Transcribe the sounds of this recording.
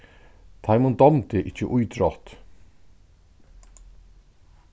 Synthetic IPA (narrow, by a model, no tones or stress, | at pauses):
t̪ʰajmʊnd̪ɔmt̪ɪʔɪcːə̰ʔujd̪ɾɔt̪